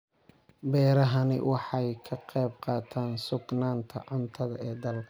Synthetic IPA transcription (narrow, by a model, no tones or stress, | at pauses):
bɛːɾɐɦɐnɪ̰wʔɑħɑjkʰɐqɛjb̚qɑːt̪ʰaːnsʊɡnaːnt̪ʰɐ̰ʕʊnt̪ʰɐðɐ̰ɛːd̪ɐlkʰɐ